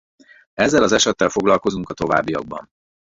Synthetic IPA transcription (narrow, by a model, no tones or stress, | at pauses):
ɛzːɛlɒzɛʃɛt̪ːɛlfo̞ɡlɒlko̞zuŋkɒt̪o̞va̰ːbːijɒ̰ɡ̚bɒ̰n